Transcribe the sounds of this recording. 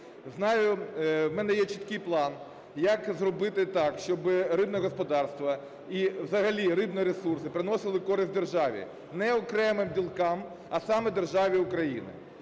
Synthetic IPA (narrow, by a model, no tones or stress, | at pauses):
znɑjʊmɛnɛjɛt͡ʃit̪kɪjplˠɑn | jɐkzrɔbɪt̪ɪt̪ɑkʃt͡ʃɔbɪɾɪbnɛɦɔspɔd̪ɑrst̪ʋɐ | iwzɐɦɐlʲiɾɪbnɛɾesursɪpɾɪnɔsɪlˠɪkɔɾɪsʲt̪̚ʲd̪erʒɑʋʲḭ | nɛɔkɾɛmɪmdʲilˠkɑm | ɐsɑmɛd̪erʒɑʋʲiʊkɾɐjḭnɪ̰